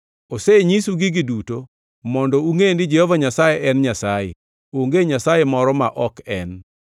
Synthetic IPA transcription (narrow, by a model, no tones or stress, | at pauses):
oseɲisuɡiɡiduto | mɔndɔuŋendɪd͡ʒɛhɔvaɲasajeʔɛnɲasajḛ | oŋɡeɲasajemɔɾɔmaʔɔkɛn